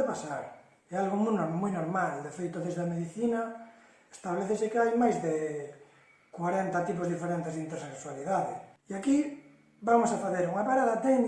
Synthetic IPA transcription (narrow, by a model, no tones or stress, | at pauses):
epasaɾ | ɛalɣomujnomujnoɾmald̪efejt̪oðezðameðiθina | est̪aβleθesekeajmajzðe | kwaɾent̪at̪ip̬ozðifeɾent̪ezðint̪eɾsekswaliðaðḛiaki | bamosafaθeɾuŋapaɾaðat̪en